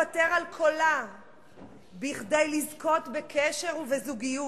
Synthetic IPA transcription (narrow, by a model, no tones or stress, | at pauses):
ate̞ʁalkʰola | biχdejlizko̞tbekeʃe̞ʁuvezuɡiju